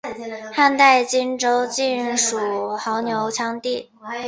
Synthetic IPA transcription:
xa˥˧nt̪a˥˩ɪt͡ɕi˥nʈ͡ʂo˥ʊt͡ɕi˥˩nʂu˨˩xɑ˧˥ʊnjo˧˥ʊt͡ɕʰjɑ˥ŋt̪i˥˩

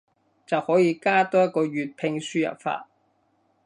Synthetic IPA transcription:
t͡sɐ˨whɔː˨˥jiː˨˧kaː˥t̪ɔː˥jɐ˥t̚kːɔː˧ɥyː˨t̚pʰɪ˧ŋsyː˥jɐ̰˨˩p̚fa̰ː˧t̚

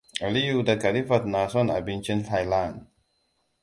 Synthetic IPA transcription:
a˨li˦ju˦˨da˨ka˨li˦fa˨t̪̚na˨sɔ˦na̰˨bi˦nt͡ʃi˦nɬa˨jla˦˨n

